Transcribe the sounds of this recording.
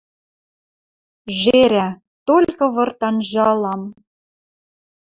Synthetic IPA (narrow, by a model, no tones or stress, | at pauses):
ʒeɾæ | t̪olʲkɤ̆βɤ̆rt̪ɑnʒɑlˠɑm